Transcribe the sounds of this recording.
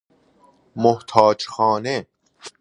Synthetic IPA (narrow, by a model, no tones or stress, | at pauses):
moht̪ʰɑːd͡ʒxɑːne